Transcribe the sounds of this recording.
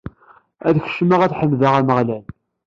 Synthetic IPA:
æðç̥ʃmaʁæθħəmðaʁæməʁlæl

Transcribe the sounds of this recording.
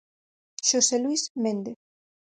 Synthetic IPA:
ʃoselwismend̪e

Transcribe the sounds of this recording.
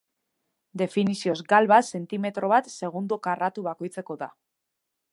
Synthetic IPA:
d̪e̞finisio̞zɡalβase̞nt̪ime̞t̪ɾo̞βat̪se̞ɣ̞und̪okarat̪uβ̞ako̞jt͡se̞ko̞ða

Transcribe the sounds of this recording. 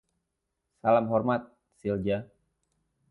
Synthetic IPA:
salamɦɔrmat̪̚ | sild͡ʒa

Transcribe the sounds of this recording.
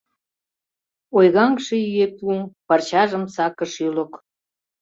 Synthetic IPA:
ojɣɑŋʃejyepupɑrt͡ɕɑʒəmsɑkəʃylok

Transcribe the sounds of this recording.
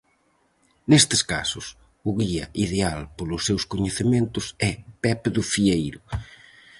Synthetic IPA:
nest̪ɪ̥ska̰sʊs | ʊɣiɐ̰ʔiðealpolʊsːewskoɲeθemẽnt̪ʊsɛpɛpðʊfiejɾʊ

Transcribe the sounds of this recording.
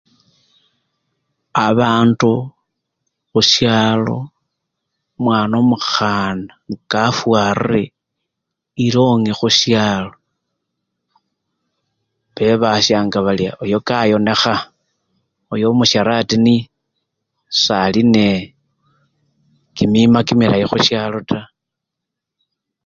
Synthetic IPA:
aβaːndu | xuʃjaːlo̞̰ | mwaːnomuxanakafwarire | iɾo̞ŋexuʃjaːlo̞ | βe̞βaʃjaːŋɡaβalia̰ʔojo̞kajo̞ne̞xa | ojo̞muʃaɾatini | saline | kimimakimilajixuʃjalo̞tʰa

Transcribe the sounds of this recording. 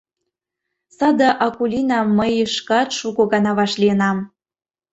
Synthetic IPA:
sɑd̪ɑʔɑkulʲinɑmːəjəʃkɑt̪ʃuɣoɣɑnɑβɑʃliənɑm

